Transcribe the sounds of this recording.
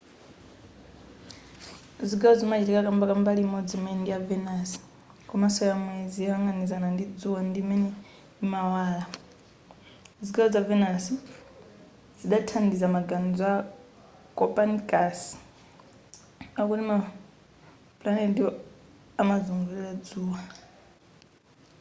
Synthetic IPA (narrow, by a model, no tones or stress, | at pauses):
ziɡaɔzimat͡ʃitikakambakambalimɔd͡zimɛndijavɛnasi̥ | kɔmasɔjamwɛziwaŋɡanizanandid͡zuwandimɛnɛ | imawaːla | ziɡaɔzavɛnasi | ziɗatʰandizamaɡand͡zɔa | kʼɔpʼankʼas | akutima | pulanɛdi | amazuŋɡujad͡zuːwa